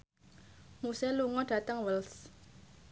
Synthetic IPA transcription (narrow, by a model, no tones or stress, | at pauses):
musɛluŋɔɖ̥ä̤t̪əŋwəls